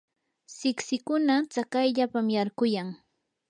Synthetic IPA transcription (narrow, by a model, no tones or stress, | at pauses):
sɪksɪkʊnat͡sakajʎapamjaɾkʊjaŋ